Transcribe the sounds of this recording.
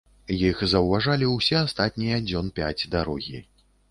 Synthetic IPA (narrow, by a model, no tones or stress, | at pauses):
jixzɐwvaʐalʲiwsʲɛast̪at̪ʲnʲijɐd͡zʲɔnpʲa̰d͡zʲd̪aɾɔɣʲi